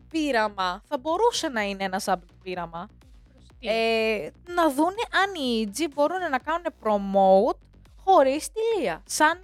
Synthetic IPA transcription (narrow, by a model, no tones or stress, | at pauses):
piɾɐmɐθɐbo̞ɾuse̞nɐineenɐsɐpt̪opiɾɐmɐ | enɐðune̞ʔɐniid͡zibo̞ɾune̞nɐkɐnune̞pɾo̞mo̞ut̪ | xo̞ɾist̪iliɐsɐn